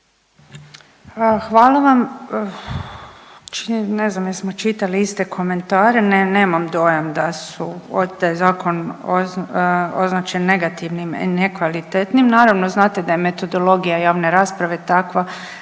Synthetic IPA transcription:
xʋaːlˠaʋam | t͡ʃineznamjesmo̞t͡ʃit̪aliist̪ekʰo̞me̞nt̪aːɾenneːmamd̪o̞jamd̪asuod̪ajzaːko̞no | oznaːt͡ʃenːe̞ɡat̪iʋnimḭnekʋalit̪et̪nimnaːɾaʋnoznaːt̪e̞d̪ajeme̞t̪o̞d̪o̞lˠo̞ɡijajaːʋne̞ɾaːspɾaʋet̪akʋa

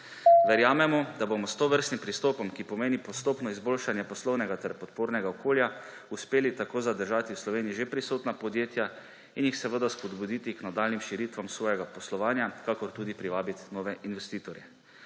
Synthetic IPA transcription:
ʋɛɾjaːmɛmɔd̪abomɔst̪oʋəɾst̪nimpɾist̪oːpɔmkipɔmeːnipɔst̪oːpnɔizbolʃanjɛpɔslɔwnɛɡat̪ɛɾpɔt̪poːɾnɛɡaɔkoːlja | uspeːlit̪akoːzad̪əɾʒaːt̪iwslɔʋeːniiʒepɾisoːt̪napɔd̪jeːt̪ja | injixsɛʋəd̪aspɔd̪bud̪it̪iknad̪alnimʃiɾit̪ʋamsʋɔːjɛɡapɔslɔʋaːnjakakɔɾt̪uːd̪ipɾiʋaːbit̪nɔːʋɛʔinʋɛst̪iːt̪ɔɾjɛ

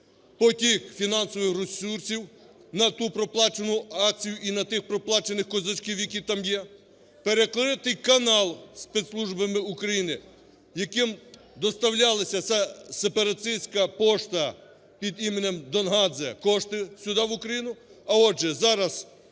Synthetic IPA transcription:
pɔtʲixfʲinɑnsɔʋɪxrɔsursʲiw | nɐt̪upɾɔplˠɑt͡ʃenʊɑk̚t͡sʲijʊʔinɐt̪ɪxpɾɔplˠɑt͡ʃenɪxkɔzɔt͡ʃkʲiwjɐkʲit̪ɑmjɛ | peɾeklˠɪt̪ɪjkɐnɑlˠspɛet̪slˠuʒbɐmɪukɾɐjinɪ | jɐkɪm | d̪ɔst̪ɐwlʲɑlˠɐsʲɐsɛsepɐɾɐt̪ɪjsʲkɐpɔʃt̪ɐ | pʲid̪imenʲemd̪ɔnɦɑzɛkɔʃt̪ɪsʲʊd̪ɑʋʊkɾɐjinʊɐɔd͡ʒɛzɑɾɐz

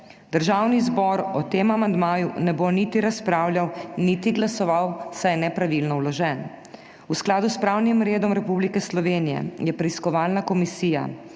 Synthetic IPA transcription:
d̪̥əɾʒaːwnizbɔɾɔt̪eːmamand̪maːjunɛbonit̪iɾaspɾaːwljawnit̪iɡlasɔʋawsajɛnɛpɾaʋilnɔwlɔʒɛn | usklaːd̪uspɾaːwnimɾeːd̪ɔmɾɛpublikɛslɔʋeːnijɛ̰jɛpɾɛiskɔʋaːlnakɔmisiːja̰

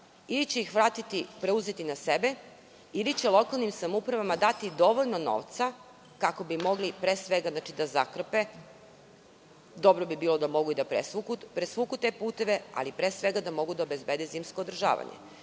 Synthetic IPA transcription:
ilit͡ɕeixʋɾaːt̪it̪ipɾeuze̞t̪inasebe̞ | ilit͡ɕelˠo̞kalnimsamupɾaʋamad̪at̪id̪o̞ʋoʎno̞no̞̰ːʋt̪sa | kako̞bimo̞ɡlipɾeːsʋeɡaznat͡ʃid̪azakr̩pe | d̪o̞bɾobibiːlo̞d̪amo̞ɡuid̪apɾesukupɾesʋuːkut̪e̞puːt̪e̞ʋe̞a̰lipɾeːsʋeɡad̪amo̞ɡud̪aobezbed̪eziːmsko̞od̪r̩ʒa̰ːʋa̰ɲḛ

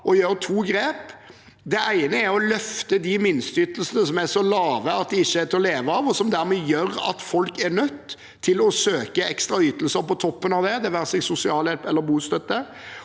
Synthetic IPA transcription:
ʔɔjøːɾt̪ʰuːɡɾeːp | d̪ɛʔæɪnəæɾɔlœft̪əd̪ɪmɪnst̪yːt̪l̩sənəsɔmæsɔlɑːʋəɑt̪̚d̪ɛɪçːəæt̪ɪlɔleːʋəɑʋɔsɔmd̪æɾmɛjøɾɑ̰t̪fɔlkæɾnœt̪ʰː | ɪlɔsøːkəɛkst̪ɾɑyːt̪əl̩səɾpɔt̪ʰɔpːənɑʋd̪ɛd̪ɛʋæːɾsɛɡsʊsɪɑːljɛlpɛlːəɾbuːst̪œt̪ːə

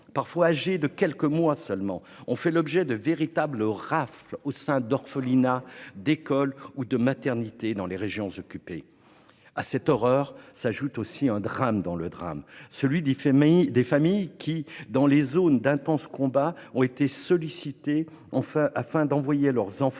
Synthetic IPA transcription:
paʁfwaːʒed̪əkʲɛlkəmwasœlmɑ̃ | ɔ̃fɛlɔbʒɛd̪əveʁit̪abləʁaflosɛ̃d̪ɔʁfəlinad̪ekɔlud̪əmat̪ɛʁnit̪ed̪ɑ̃leʁeʒjɔ̃zɔkʲype | asɛt̪ɔʁœʁsaʒut̪osiɛ̃d̪ʁamd̪ɑ̃ləd̪ʁa̰msəlɥid̪efamijkʲʰid̪ɑ̃lezond̪ɛ̃t̪ɑ̃skɔ̃baɔ̃et̪esɔlisit̪e | ɑ̃fɛ̃ʔafɛ̃d̪ɑ̃vwajelœʁzɑ̃f

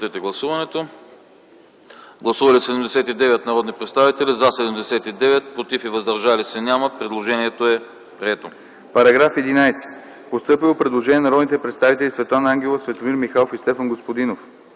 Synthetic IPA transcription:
t̪ɛt̪ɛɡlˠɐsuvɐnɛt̪o | ɡlˠɐsuvɐlisɛd̪ɛmd̪ɛsɛt̪id̪ɛvɛt̪nɐɾɔd̪nipɾɛt̪st̪avit̪ɛlizɐsɛd̪ɛmd̪ɛsɛt̪id̪ɛvɛt̪̚pɾot̪ifivɐzd̪ɐɾʒalisɛnʲaməpɾɛd̪lˠoʒɛniɛt̪oɛ | pɾiɛt̪o | pɐɾɐɡɾafɛd̪inajsɛ̥ | post̪ɤpilˠopɾɛd̪lˠoʒɛnʲiɛnɐɾɔd̪nit̪ɛpɾɛt̪st̪avit̪ɛlisvɛt̪lˠanɐaŋɡʲɛlˠəsvɛt̪omiɾmixalˠofist̪ɛfɐnɡospod̪inof

